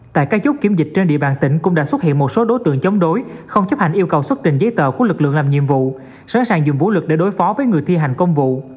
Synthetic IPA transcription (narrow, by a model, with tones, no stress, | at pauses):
t̪a̰ː˧˨jkaː˦˥k̚t͡ɕʊ˦˥k͡p̚ki˨˦əmzï˨˩k̟̚t͡ɕe˧nɗḭ˧˨əɓaː˨˩nt̪ï˧˩ŋ̟kʊ̰˧˥ŋ͡mɗa̰ː˧˥swə˦˥t̚hḭ˧˨ənmo˨˩t̚so˨˦ɗo˨˦jt̪ɨ̰˧˨əŋt͡ɕə˨˦wŋ͡mɗo˨˦jxə˧wŋ͡mt͡ɕə˦˥p̚ha̰˧˨jŋ̟ʔi˧əwkə˨˩wswə˦˥t̚t͡ɕï˨˩ŋzə˨˦jt̪ə̰ː˧˨ku˧˩əlɨ˨˩k̚lɨ̰˧˨ŋlaː˨˩mɲḭ˧əmvṵ˧˨ | sa̰ː˧˥nsaː˨˩ŋzʊ˨˩ŋ͡mvṵ˧˥lwɨ˨˩k̚ɗḛ˧˩ɗo˨˦jfɔ˨˦vəː˨˦jŋɨ˨˩əjt̪ʰi˧ɦa˨˩jŋ̟kə˧wŋ͡mvṵ˧˨